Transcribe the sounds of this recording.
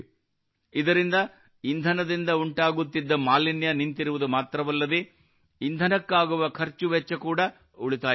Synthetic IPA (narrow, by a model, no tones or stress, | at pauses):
id̪ɐɾind̪ɐ | ind̪ʱɐnɐd̪ind̪ɐuɳʈaːɡut̪ːid̪ːɐmaːlinjɐnint̪iɾuʋud̪umaːt̪ɾɐʋɐlːɐd̪eː | ind̪ʱɐnɐkːaːɡuʋɐkʰɐɾt͡ʃuʋɛt͡ʃːɐkuːɽɐ | uɭit̪aː